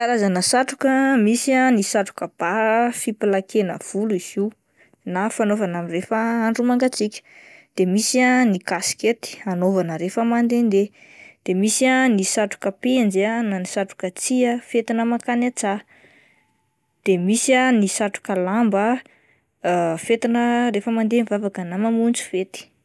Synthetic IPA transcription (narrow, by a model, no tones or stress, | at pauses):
aɾazanəsaʈ͡ʂukəmisianisaʈ͡ʂu̥kəb̥afipilakʰenə̰v̥uluiz̥i | nafanovanamirefəaɳɖ͡ʐumaŋɡat͡sikʲə̥d̪̥emisianikasket̪i̥anovanəɾefəmand̪end̪e | d̪̥emisianisaʈ͡ʂu̥kəpend͡ʒananisaʈ͡ʂu̥kət͡siəfet̪inəmakanat͡sa | d̪̥emisianisaʈ͡ʂu̥kəlambə | fet̪inəɾefəmand̪enivavakənamamunt͡su̥fet̪i̥